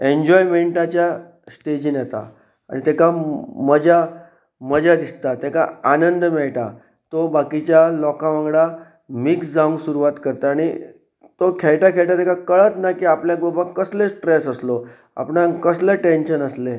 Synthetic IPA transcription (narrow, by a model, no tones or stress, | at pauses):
eɲd͡ʑɔjmeɳʈat͡ɕja | sʈed͡ʑinjɛt̪a̰ | a̰ɽ̃it̪ɛkaməd͡ʑa | məd͡ʑad̪ist̪at̪ɛkaanənd̪mɛɭʈa̰ | t̪obakit͡ɕjalɔkãʋãŋɡɭa | miksd͡zaũŋɡsuɾuʋat̪kəɾt̪aːɽ̃i | t̪okʰɛɭʈakʰɛɭʈ̪at̪ɛkakəɭət̪nakiapljaɡobãkəslesʈɾesəslo | a̰pɳakəsleʈenɕənəsle